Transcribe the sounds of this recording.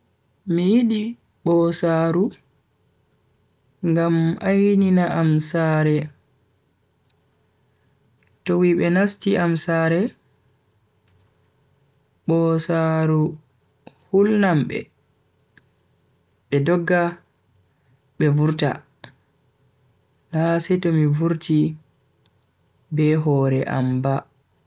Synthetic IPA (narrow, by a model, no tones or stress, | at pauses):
mijiɗi | ɓɔsaːɾu | ŋɡamajninaʔamsaːɾɛ | towiɓɛnastiʔamsaːɾɛ | ɓɔsaɾu | hulnamɓɛ̰ | ɓɛdɔɡːa | ɓɛvuɾta̰ | nasɛtɔmivuɾti | bɛɦɔːɾɛʔa̰mba